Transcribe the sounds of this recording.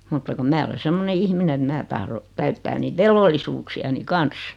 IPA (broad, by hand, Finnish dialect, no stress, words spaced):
mutːɑ kum mæː ole semːone ihmine et mæ tɑhro tæytːæː niːt ʋelʋolːisuːksiɑni kɑns